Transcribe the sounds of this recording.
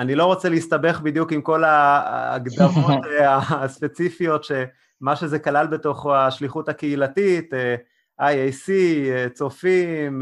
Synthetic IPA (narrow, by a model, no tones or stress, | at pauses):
anilo̞ʁo̞t͡seleist̪abe̞χbid̪jukimko̞la̰ːɡd̪aʁot̪aspet͡sifijo̞tʃe | maʃezekalalbe̞to̞χaʃliχutakeilatite | ajejsit͡so̞fim